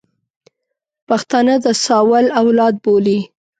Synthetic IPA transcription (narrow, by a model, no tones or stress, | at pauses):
paxt̪ɑnəd̪əsɑwalawlɑd̪̚boli